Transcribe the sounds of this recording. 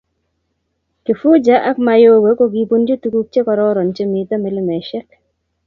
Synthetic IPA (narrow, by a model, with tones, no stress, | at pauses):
kɪ˨fu˦d͡ʒa˦ʔa˦kma˨jo˦we˨ko˦ɡi˨pu˦nd͡ʒo˦tu˨ku˦k̚t͡ʃe˦kɔ˨ɾɔ˦ɾɔ˨nt͡ʃe˦mi˨ta˦mɪ˨lɪ˦mɛ˨ʃɛ˦k